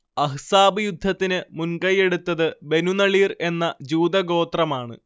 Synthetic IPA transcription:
ɐɦsaːbɨjud̪ʱːɐt̪ːinɨmunkɐje̞ɽut̪ːɐðɨbe̞nunɐɭiːre̞nːɐd͡ʑuːd̪ɐɡo̞ːt̪rɐmaːɳɨ̰

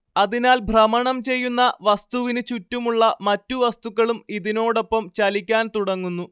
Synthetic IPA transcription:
ɐðinaːlbʱrɐmɐɳɐmt͡ɕe̞jːunːɐʋɐst̪uʋinɨt͡ɕutːumuɭːɐmɐtːuʋɐst̪uɣɐɭumiðino̞ːɽo̞pːɐmt͡ɕɐlikʲːaːnt̪uɽɐŋːunːu

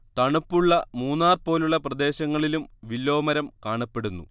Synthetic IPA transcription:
t̪ɐɳupːuɭːɐmuːnːaːrpo̞ːluɭːɐprɐd̪e̞ːɕɐŋːɐɭilumʋilːo̞ːmɐɾɐmkaːɳɐpːe̞ɽunːṵ

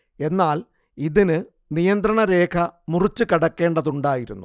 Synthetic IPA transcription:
e̞nːaːl | iðinɨ | nijɐnd̪ɾɐɳɐɾe̞ːkʰɐmurit͡ɕːukɐɽɐkːe̞ːɳɖɐðuɳɖaːjiɾṵnːu

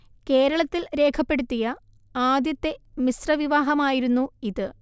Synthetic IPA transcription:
ke̞ːɾɐɭɐt̪ːilɾe̞ːkʰɐpːe̞ɽut̪ːijɐ | aːd̪jɐt̪ːe̞misrɐʋiʋaːɦɐmaːjiɾunːuiðɨ

